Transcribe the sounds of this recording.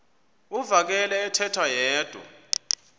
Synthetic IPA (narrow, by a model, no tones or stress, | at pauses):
uvak̬ɛlɛːtʰɛtʰwajɛːd̥ʱṵ